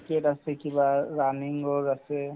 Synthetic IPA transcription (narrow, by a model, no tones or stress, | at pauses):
keʈasekibaɾaniŋɔɾase